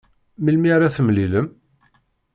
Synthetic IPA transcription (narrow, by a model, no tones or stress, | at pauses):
milmiɾaθəmliləm